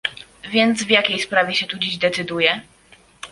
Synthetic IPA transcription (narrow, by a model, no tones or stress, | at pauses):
vʲjɛnd̪zvjakʲejspɾavʲjɛɕɛt̪ud͡ʑiʑd̪ɛt̪sɘd̪ujɛ